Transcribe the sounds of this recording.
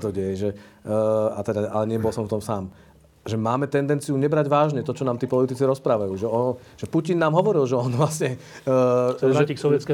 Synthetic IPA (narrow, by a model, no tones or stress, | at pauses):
t̪ɔɟɛjɛʒɛ | at̪ɛd̪aalɛɲɪɛbɔlsɔɱft̪ɔmsaːm | ʒɛmaːmɛt̪ɛnd̪ɛnt͡sijuɲɛbɾaɟʋaːʒɲɛt̪ɔt͡ʃɔnaːmt̪iːpɔlit̪it͡siɾɔspɾaːʋajuːʒɛɔ | ʒ̥ɛpucinːaːmɦɔʋɔɾilʒɛɔnʋlasɲɛ | aiːksɔʋjɛt͡skɛ